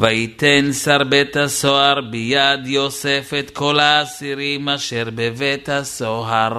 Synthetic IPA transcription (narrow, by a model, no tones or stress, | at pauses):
vait̪ɛnsaɾbɛt̪hasoaɾbijad̪josɛfɛt̪kʰolaːsiɾimaʃɛɾbevɛt̪hasoaɾ